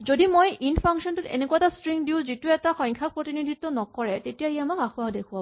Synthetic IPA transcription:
zodimojinpʰaŋkʃɔntʊtḛnekuaɛtastɹiŋdiʊzituɛtaxɔ̃jŋkʰapɹotinidʱitːɔnɔkɔɹɛtetijaiamakaxʊadekʰuwa

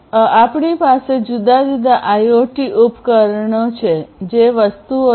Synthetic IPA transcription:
apɳipased͡ʒud̪ad͡ʒud̪aʔajoʈiʔupkəɾɳot͡ʃʰed͡ʒeʋəst̪uo

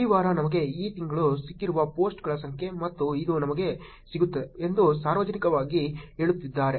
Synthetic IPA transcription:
iʋaːɾɐnɐmɐɡe̞iːt̪iŋɡɐɭusikːiɾuʋɐpo̞ːsʈɡɐɭɐsɐŋkʰje̞mɐt̪ːuid̪unɐmɐɡe̞ | siɡut̪ːeeend̪usaːɾʋɐd͡ʒɐnikɐʋaːɡiɦe̞ːɭut̪ːid̪ːaːɾe̞

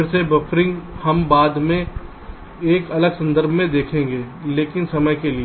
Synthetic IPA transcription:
ɾsebɐfʰɾɪ̃ŋɡhɐmbaːd̪mẽ | eːkɐləɡsɐ̃nd̪əɾbʱmẽd̪eːkʰẽːŋɡeː | leːkɪnsɐməjkeli

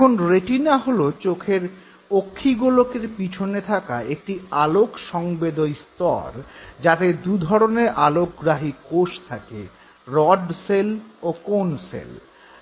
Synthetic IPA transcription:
kʰonɾeʈinaɦolot͡ɕokʰeɾ | okʰːiɡulokeɾpit͡ɕʰonet̪ʰaka̰ek̚ʈialokʃɔŋbed̪ojst̪ɔ̰ɾd͡ʑat̪ed̪ud̪ʱɔɾoneɾʔalok̚ɡɾaɦikoʃt̪ʰakḛ | ɾɔɖselokonsḛl

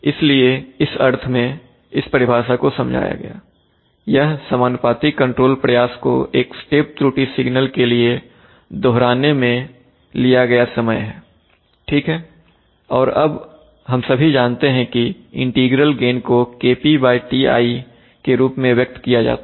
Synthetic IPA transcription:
ɪslieɪsɐɾt̪ʰmẽ | ɪspɐɾɪbʱaːʃakosɐ̃md͡ʒʱa̰ːja̰ɡɐ̰ja̰ː | jɐɦsɐmaːnpaːt̪ikɐ̃ɳʈɾoːlpɾɐjaːsko̰eːksʈeːp̚t̪ɾuːʈisɪɡnəlkelie | d̪oɦɾaːnemẽ | lijaɡɐjasɐməjɦɛː | ʈʰiːkɦɛː | ɔːɾɐb | ɦɐmsɐbʱid͡ʒaːnt̪eɦɛ̃ki | ɪ̃ɳʈiːɡɾəlɡeːnkokeːpibaːɪʈiːa̰ːi | keɾuːpmẽʋjɐk̚t̪kijad͡ʒa̰ːt̪a

